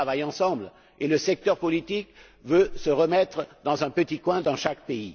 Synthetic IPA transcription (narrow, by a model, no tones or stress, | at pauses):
avajɑ̃sɑ̃bl | eləsɛk̚t̪œʁpɔlit̪ik | vøsəʁəmɛt̪χd̪ɑ̃zɛ̃pət̪ikwɛ̃d̪ɑ̃ʃakpei